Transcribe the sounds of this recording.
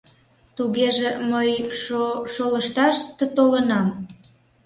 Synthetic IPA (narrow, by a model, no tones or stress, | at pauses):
t̪uɣeʒeməj | ʃoləʃt̪ɑʃt̪ət̪olənɑm